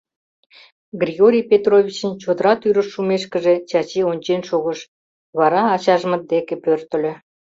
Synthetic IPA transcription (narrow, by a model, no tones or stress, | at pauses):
ɡrʲiɣoɾʲijpet̪rovʲit͡ɕənt͡ɕod̪əɾɑt̪yɾəʃːumeʃkəʒet͡ɕɑt͡ɕionʲt͡ɕenʃoɣəʃ | βɑɾɑːt͡ɕɑʒəmə̆d̪ekepørt̪ə̆lʲø̆